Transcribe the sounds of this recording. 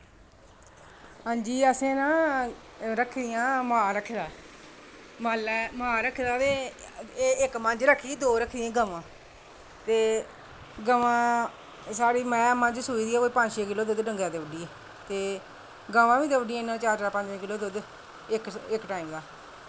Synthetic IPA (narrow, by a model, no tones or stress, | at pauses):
ɦãːd͡ʒiːəsẽːnãː | ɾəkʰːd̪ɪjãːmaːɾəkʰːd̪aː | malɛːmaːɾəkʰːd̪aːt̪eː | ɪkmə̃ɲd͡ʒɾəkʰiːd̪oːɾəkʰd̪ɪãːɡəʋãː | t̪eː | ɡəʋãː | saːɽiːmɛ̃ːəmãːd͡ʒsuːiːd̪iːaːoːiːpə̃ɲd͡ʒʃeːk̬ɪloːd̪ʊd̪ɖə̃ŋɡjãːd̪eːʋəɖiːɛː | t̪eː | ɡaʋãːʋĩːd̪eʋəɖiːãnãːt͡ʃaːɾd͡ʒaːpəɲd͡ʒʋẽːkɪloːd̪od̪ | ɪkɪkʈaːiːmd̪aː